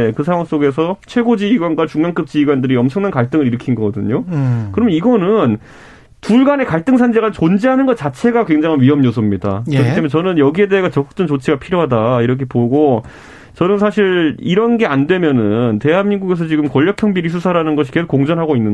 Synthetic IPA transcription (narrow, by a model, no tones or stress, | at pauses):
kɯsʰaŋwaŋs͈oɡe̞s̬ʰʌt͡ɕʰwe̞ɡod͡ʑiːɡwanɡwat͡ɕuŋmaŋk͈ɯp̚t͡ɕiːɡwandɯɾiʌmt͡ɕʰʌŋnankaɭt͈ɯŋɯɾiɾɯkʰinɡʌɡʌdɯɲokɯɾʌmjʌniɡʌnɯn | puɭɡane̞kaɭt͈ɯŋsʰand͡ʑeɡat͡ɕond͡ʑiɦanɯnɡʌt͡ɕat͡ɕʰe̞ɡakwe̞ŋd͡ʑaŋʰanɥiɦʌmɲos̬ʰʌmɲida̰kɯɾʌkit͈emjnt͡ɕʌnɯnjʌɡie̞de̞ɦeɡat͡ɕʌk͈u̥k̚t͈ɯnt͡ɕot͡ɕʰiɡapʰiɾjoɦadaiɾʌkʰepoɡo | t͡ɕʌnɯnsʰaɕʰiɾiɾʌnɡe̞andwe̞mjʌnɯnte̞ɦanmiŋɡuɡe̞s̬ʰʌt͡ɕiɡɯmkʌʎːʌkʰjʌŋbiɾis̬ʰusʰaɾanɯnɡʌɕ̬ʰi̥ke̞sokːoŋd͡ʑʌnɦaɡoinːɯ